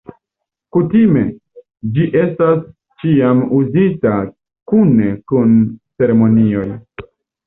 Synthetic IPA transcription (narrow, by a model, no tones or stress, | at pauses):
kutime̞̰ | d͡ʒiʔe̞stas | t͡ʃiamuzita | kune̞kunt͡se̞ɾemo̞nio̞j